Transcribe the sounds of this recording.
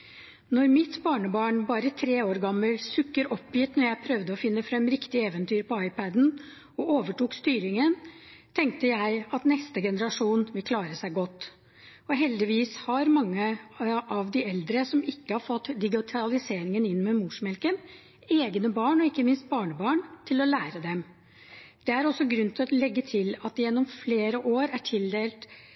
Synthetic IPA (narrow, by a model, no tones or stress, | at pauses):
nɔɾmɪt̪bɑːɳəbɑːɳbɑːɾət̪ʰɾeːoːɾɡɑmːəlsʉkːəɾɔpːjɪt̪nɔɾjæɪpʰɾœʋd̪əɔfɪnːəfɾɛmːɾɪkt̪ɪɛːʋənt̪ʰyːɾpɔɑɪpæd̪n̩ | ɔoːʋəʈuːkst̪yːɾɪŋənt̪ʰɛŋk̚t̪əjæɪɑt̪nɛst̪əɡɛnəɾɑʂuːnʋɪlkʰlɑːɾəsæɪɡɔt̪ː | ɔɦɛld̪ɪʋiːshɑɾmɑŋːəʔɑʋd̪ɪɛld̪ɾəsɔmɪkːəhɑfɔt̪ːd̪ɪɡɪt̪ʰɑlɪseːɾɪŋənɪnmɛmuʂmɛlkən | eːɡnəbɑːɳɔɪkːəmɪnst̪̚bɑːɳəbɑːɳt̪ʰɪlɔlæːɾəd̪ɛm | d̪̥ɛæɾɔsːɔɡɾʉnːt̪ʰɪlɔlɛɡːət̪ʰɪlɑt̪jɛnːɔmfleːɾəʔoːɾæʈʰɪld̪eːlt̪